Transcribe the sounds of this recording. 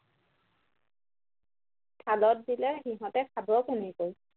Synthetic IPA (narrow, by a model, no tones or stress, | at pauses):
kʰalɔt̚dilɛxiɦɔ̃tɛkʰabɔkenikoj